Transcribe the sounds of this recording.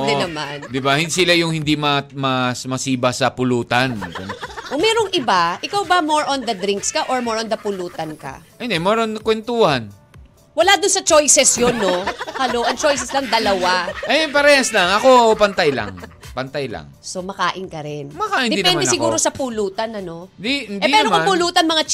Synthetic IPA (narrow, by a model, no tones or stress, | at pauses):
d̪ɛnɐmand̪ɪbahɪnd̪sɪlajʊŋhɪnd̪imɐmɐsmɐsiːbɐsɐpʊluːt̪ɐnkʊŋmɛːɾoŋʔɪbaʔɪkawbɐmoɹʔond̪ɐd̪ɾiŋkskɐʔoɹmoɹond̪ɐpʊluːt̪ɐnkɐ̰ʔɛnɛmɛɾonkwɛnt̪uːhan | wɐlad̪ʊnsɐt͡ʃo̞jsɛsjonːo̞kɐlo̞ːʔɐnt͡ʃo̞js̬ɛslɐŋd̪ɐlɐwaʔɐjanpɐɾɛːhɐslaŋɐkopɐnt̪ajlɐ̰ŋ | pɐnt̪ajlɐ̰ŋsomɐkaːʔɪnkɐɾɪnmɐkaːʔɪnd̪ɛd̪ɪnpːɛnmad̪ɛsɪɡuːɾo̞sɐpuluːt̪ɐnɐno̞d̪ihɪndɛiɛːɾomkɐpʊluːt̪ɐnmɐŋa